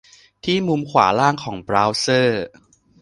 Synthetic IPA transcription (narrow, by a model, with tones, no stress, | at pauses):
t̪ʰiː˥˩mu˧mkʰwa̰ː˩˦laː˥˩ŋkʰɔː˩˦ŋbɾaː˦˥wsɤː˥˩